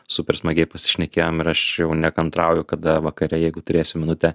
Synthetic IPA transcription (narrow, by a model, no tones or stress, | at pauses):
sʊpʲɛɾsmɐɡʲɛɪpɐsʲɪ̥ʃʲnʲɛkʲeːjoːmɪɾɐʃjɛʊnʲɛːkɐnt̪ɾɐʊjʊkɐd̪ɐʋɐkɐɾʲɛjɛɪɡʊt̪ʊɾʲeːsʲʊmʲɪnʊt̪ʲɛ